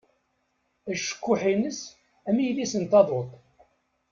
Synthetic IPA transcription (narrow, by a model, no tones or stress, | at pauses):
æʃːə̥kːʊħinəs | æmijlisənt̪ɑðˤot̪ˤ